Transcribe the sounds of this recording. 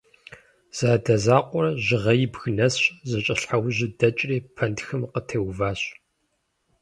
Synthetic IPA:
z̥aːdɐzaːqʷʼɔrɐʑɪʁɐjɪbxɨnɐsɕzɐt͡ʃʼɐɬħawʑɪdɐt͡ʃʼriːpʰɐntxɨmqətʰewvaːɕ

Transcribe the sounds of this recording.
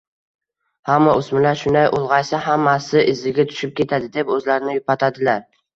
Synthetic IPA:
hamːaʔʊsmɪlaɾʃʊnd̪ajʔolˠʁɑjsaɦamːasɪʔɪzːɪɡʲat̪ʰʊ̥ʃɪp̚kʲʰe̞t̪ʰad̪ɪd̪e̞pɵzlaɾɪnɪjʊpʰat̪ʰad̪ɪlaɾ

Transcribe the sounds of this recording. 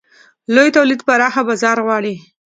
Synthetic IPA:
lojt̪awlid̪paɾɑxabazɑɾɣwɑɽi

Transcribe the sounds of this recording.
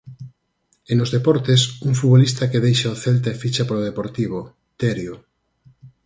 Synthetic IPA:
enozðepɔɾt̪esuŋfuβolist̪akeðejʃaoθelt̪aefit͡ʃapaɾoðepoɾt̪iβ̞o | t̪eɾjo

